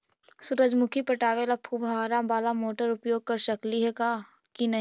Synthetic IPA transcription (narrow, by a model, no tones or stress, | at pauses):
suɾəd͡ʒmʊkʰipɐʈaːʋelapʰubʱaːɾabaːlamoːʈəɾʊpjoːɡ̚kɐɾʃɐkliɦɛka | kinɐ